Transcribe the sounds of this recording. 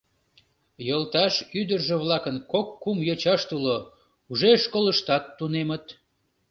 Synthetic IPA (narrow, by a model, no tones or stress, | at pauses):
jolt̪ɑʃyd̪ərʒĕβlɑkənkokːumjot͡ɕɑʃt̪ulo | uʒeʃkoləʃt̪ɑt̪ːunemət̪